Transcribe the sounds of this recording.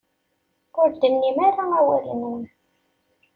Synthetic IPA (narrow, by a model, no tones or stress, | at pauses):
ʊɾd̪ənːimaɾaæwæɾḭnn